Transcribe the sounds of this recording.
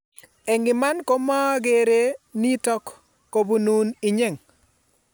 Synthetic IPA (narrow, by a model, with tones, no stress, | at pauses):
ɛ˨ŋɡɪ˨ma˦nko˦mɔ˦ɡe˦ɾe˦ni˦tɔ˦kː | o˨bu˦nu˦nɪ˨ɲe˦˨ŋ